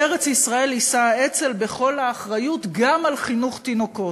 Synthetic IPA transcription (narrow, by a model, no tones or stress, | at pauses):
eʁet͡sisʁae̞lisae̞t͡se̞lbe̞χo̞laːχʁajutɡamalχinuχt̪ino̞ko̞